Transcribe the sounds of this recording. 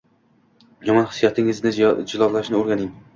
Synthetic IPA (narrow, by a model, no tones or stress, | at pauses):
jɒmɒnχɪ̥sijat̪ʰɪŋɪznɪd͡ʒɪlˠɒlˠlːaɪʃnɪoɾɡʲanɪŋ